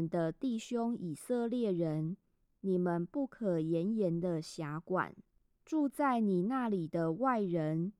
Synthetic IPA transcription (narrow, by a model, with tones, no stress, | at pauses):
nd̪ə˨t̪i˥˨ɕjo˦ŋi˨˩sə˥˧ljɛ˥˩ɻə˨˦n | ni˨˩mə˨npu˥˩kʰə˨˩jɛ˨˦njɛ˨˦nd̪ə˧ɕja˧˦kwa̰˨˩n | ʈ͡ʂu˥˧t͡sa˥˩ɪni˨˩na˥˨li˨˩d̪ə˦wa˥˩ɪɻə˧˦n